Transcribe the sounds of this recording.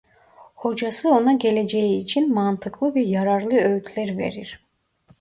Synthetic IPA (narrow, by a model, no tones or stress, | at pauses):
ho̞d͡ʒasɯo̞naɡe̞le̞d͡ʒejiːt͡ʃʰinmant̪ʰɯklˠɯveɾjaɾaɾlˠɯøjyt̪ʰlʲæɾve̞̰ɾiɾ̥